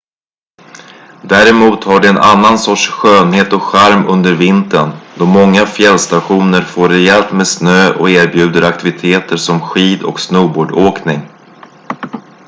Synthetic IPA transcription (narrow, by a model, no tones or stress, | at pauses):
d̪æːɾɛmuːt̪haɖɵɛnʔa̰nːansɔʈʂɧøːnɦeːt̪ɔkɧaɾmɵnd̪əɾvɪnt̪ənd̪ɔmɔŋːafjɛlːst̪aɧuːnəɾfoːɾɛɛlt̪meːd̪snøːʔɔ̰keːɾbjʉ̟ːd̪əɾakt̪ɪvɪt̪ʰeːt̪ʰəɾʂɔmɧiːd̪ɔ̰ksnøːboːɖoːknɪŋ